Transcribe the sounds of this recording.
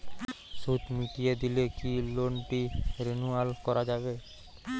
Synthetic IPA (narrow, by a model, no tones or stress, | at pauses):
sut̪mit̪ijed̪ilekiloɳʈiɾenualkɔɾad͡ʒabe